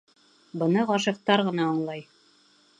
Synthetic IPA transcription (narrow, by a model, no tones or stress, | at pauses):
bɤ̆nɤʁɑʃ̬ɤ̆q̚t̪ɑɾʁɤ̆nɑːɴlˠɑj